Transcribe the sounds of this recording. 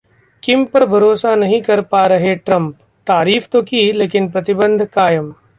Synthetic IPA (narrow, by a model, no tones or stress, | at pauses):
kɪmpɐɾbʱɐɾoːsanɐɦĩkɐɾpaɾɐɦeʈɾɐ̃mp | t̪aːɾiːft̪okileːkɪnpɾɐt̪ɪbə̃nd̪ʱkaːjəm